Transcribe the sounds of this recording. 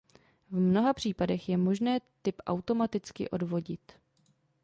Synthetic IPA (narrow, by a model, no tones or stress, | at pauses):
vmno̞ɦapr̝̥iːpadɛxjɛmo̞ʒnɛːt̪ɪpʔa̰wt̪o̞mat̪ɪt͡skɪ̰ʔo̞dvo̞ɟɪt̪